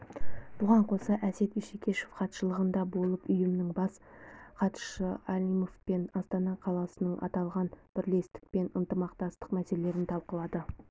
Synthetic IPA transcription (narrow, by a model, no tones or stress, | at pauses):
b̥ʊʁɑɴqʰo̞sɑʔæse̞t̪iʃekʲʰe̞ʃofqʰɑt̪ʃəlˠəʁənd̪ɑbo̞lˠəpʏjɪmɪnɪŋbɑsqʰɑt̪ʃəɑlʲimofpe̞nɑst̪ɑnɑqʰɑlˠɑsənəɴʔɑ̰t̪ɑlˠʁɑnb̥ɪɾle̞st̪ɪ̥k̚pe̞nənt̪əmɑqt̪ɑst̪ə̥qmæse̞lee̞ɾɪnt̪ʰɑlˠqəlˠɑd̪ə